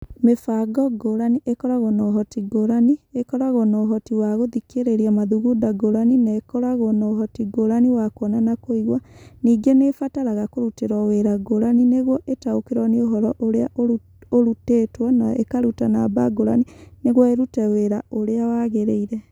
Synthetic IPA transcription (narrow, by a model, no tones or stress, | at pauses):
mefaɡɔɡoɾaniʔekɔɾaɣɔnɔɦɔtiɡoɾaniekɔɾaɣɔnɔɦɔtiwaɣoðikeɾeɾiamaðuɣudaɡoɾaninaekɔɾaɣɔnɔɦɔtiɡoɾaniwakwɔnanakoiɣwaniːɡenefataɾaɣakoɾuteɾɔweɾaɡoɾanineɣwɔʔetaokeɾɔnioɦɔɾɔʔoɾeaʔo | oɾutetwɔnaekaɾutanabaɡoɾa̰nineɣɔeɾutɛweɾaoɾeawaɣeɾeiɾɛ